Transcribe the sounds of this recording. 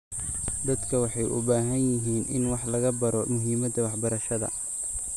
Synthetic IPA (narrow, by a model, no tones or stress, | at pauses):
d̪ɐd̪kʰɐwɑħɑjʔʊ̰baːɦɐnjɪɦiːnʔɪ̰nwɑħlɐɣɐbɐɾɔmʊɦiːmɐd̪ɐwɑħbɐɾɐʃɐðɐ̰